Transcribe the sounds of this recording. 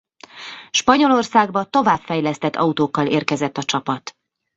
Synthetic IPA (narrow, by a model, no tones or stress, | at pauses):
ʃpɒɲo̞lorsaːɡbɒt̪o̞vaːpfɛjlɛst̪ɛt̪ːɒ̰ut̪oːkːɒleːrkɛzɛt̪ːɒt͡ʃɒpɒt̪